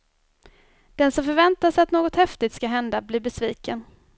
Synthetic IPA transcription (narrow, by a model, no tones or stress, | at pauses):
d̪̥ɛnsɔmfœɾvɛnt̪asat̪noːɡɔt̪hɛft̪ɪt̪skaɦɛnd̪abliːɾbɛsviːkən